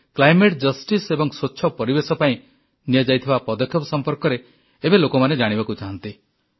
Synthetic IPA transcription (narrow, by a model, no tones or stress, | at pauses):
klajmeʈ̚d͡ʒʌsʈisebɔŋswoːʃʰɔpɔɾibesɔpaĩ | nied͡ʒajt̪ʰibapɔd̪ɔkʰjɔpɔsɔmpɔɾkɔɾe | ebelokɔmaned͡ʒaɽ̃ibakut͡ʃaɦɔnt̪i